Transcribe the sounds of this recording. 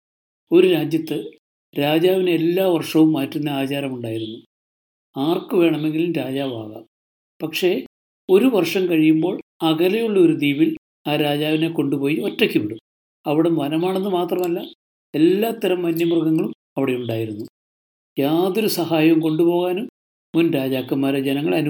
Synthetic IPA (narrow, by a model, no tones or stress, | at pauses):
o̞ɾuɾaːd͡ʑjɐt̪ːɨ | ɾaːd͡ʑaːʋineːlːaːʋɐrʂɐʋumːaːtːunːɐaːt͡ɕaːɾɐmuɳɖaːjiɾunːu | aːrkɨʋe̞ːɳɐme̞ŋɡilumɾaːd͡ʑaːʋaːɣɐ̰ | pɐkʂe̞ | o̞ɾuʋɐrʂɐmkɐɻijumbo̞ːɭɐɣɐlɐjuɭːɐoɾud̪iːbil | aːɾaːd͡ʑaːʋine̞ko̞ɳɖupo̞ːjiʋɐtːɐkʲːuʋiɽum | ɐʋiɽɐmʋɐnɐmaːɳenːɨmaːt̪rɐmɐlːɐ | e̞lːaːt̪ːɐɾɐmːɐnːjɐmrɣɐŋːɐɭum | ɐʋiɽe̞uɳɖaːjiɾunːu | jaːðo̞ɾusɐhaːjɐmko̞ɳɖupo̞ːɣaːnum | munɾaːd͡ʑaːkːɐmːaːɾed͡ʑenɐŋːɐɭɐnu